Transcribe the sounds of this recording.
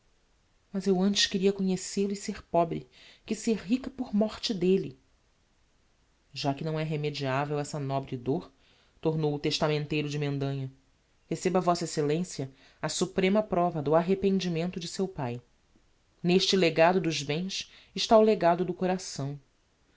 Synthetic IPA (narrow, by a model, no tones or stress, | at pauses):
mɐzewɐ̃nt͡ʃɪ̥ʃkɪɾiɐkõɲeselʊiseɾpɔbɾɪkɪseɾɦikɐpʊɾmɔɾt͡ʃɪd̪elɪ | ʒakɪnɐ̃w̃ɛɦemed͡ʒiavewɛsɐnɔbɾɪd̪oɾ | t̪oɾnowʊt̪eʃt̪amẽnt̪ejɾʊd͡ʒɪmẽnd̪ɐ̃ɲɐ | hesebɐvɔsɐeselẽsjɐ | ɐsupɾẽmɐpɾɔvɐd̪ʊaɦepẽnd͡ʒimẽnt̪ʊd͡ʒɪsewpaj | neʃt͡ʃɪleɡad̪ʊd̪ʊzbẽj̃s | ɪʃt̪aʊleɡad̪ʊd̪ʊkoɾasɐ̃w̃